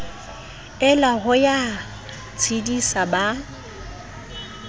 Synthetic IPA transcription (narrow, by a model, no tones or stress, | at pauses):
ɪlaɣʊja | t͡sʰidisaba